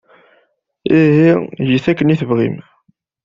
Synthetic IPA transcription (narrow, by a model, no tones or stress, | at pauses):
iɦiʝiθækːəniθəvʁḭm